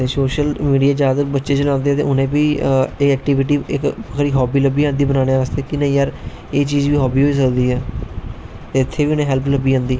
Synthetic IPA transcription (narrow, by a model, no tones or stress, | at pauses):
t̪eːsoːʃəlmiːɖijaːd͡ʒjaːd̪əbətːʃeːt͡ʃəlãːnd̪eɛːt̪ḛːʊnẽːpiːɪɛːk̚ʈiːʋɪʈ̬iːɪkkʰɾiːɦɔːbiːləbiːãːnd̪iːbənãːneast̪eːkɪnəĩːjəɾ | eːt͡ʃiːd͡ʒʋiːɦɔːbiːɦoːiːs̬əkd̪iːɦɛː | t̪eːɪt̪ʰːeːʋiːʊnẽːɦɛlpləbiːãːnd̪iː